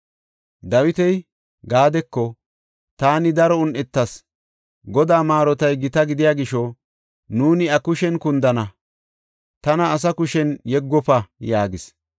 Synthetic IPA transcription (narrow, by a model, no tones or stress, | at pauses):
d̪ɐwɪt̪ɛj | ɡaːd̪ɛkːɔ | t̪aːnɪd̪ɐɾɔʊnʔɛt̪ːɐs | ɡɔd̪aːmaːɾɔt̪ɐjɡɪt̪ɐɡɪd̪ɪjaːɡɪʃɔ | nuːnɪɐkʊʃɛnkʊnd̪ɐnɐ | t̪ɐnɐːs̬ɐkʊʃɛnjɛɡːɔpɐjaːɡɪs